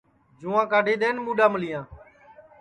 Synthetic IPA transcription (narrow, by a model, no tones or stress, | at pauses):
d͡ʒuːãːkaːɖʱeːɗ̪eːnmũːɗãːməlɪjãː